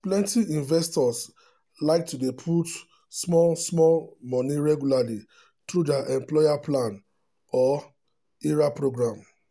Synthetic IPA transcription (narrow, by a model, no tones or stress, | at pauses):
plɛ̃ntiʔĩnvɛstɔs | laɪk̚tudepʰut | smɔlsmɔlmɔniɹɛɡjulali | t̪ɹudaʔɛ̃mplɔɪaplãn | ɔ | iɹapɹoɡɹãm